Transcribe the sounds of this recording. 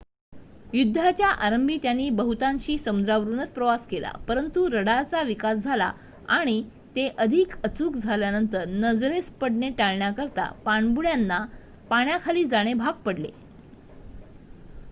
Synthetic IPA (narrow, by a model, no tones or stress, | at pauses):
jud̪ʱːat͡ɕjaʔaɾəmbʱiːt̪janːiːbəɦut̪ãɲɕiːsəmud̪ɾaʋəɾuːnət͡spɾəʋaskela̰pəɾənt̪uɾəɽat͡saʋikasd͡zʱala̰ | aɽ̃i | t̪eʔəd̪ʱikət͡suːkd͡zʱaljanənt̪əɾnəd͡zɾespəɽɳeʈaɭɳjakəɾt̪a̰paɳbuɽjanːa | paɳjakʰaliːd͡zaɽ̃ebʱaɡ̚pəɽlḛ